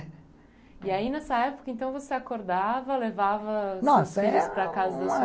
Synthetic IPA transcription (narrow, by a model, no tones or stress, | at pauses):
iainɛsɐɛpo̥kɐẽnt̪ɐ̃w̃voseakoɾd̪avɐlevavɐnɔsiɐspɾɐkazɐd̪ɐs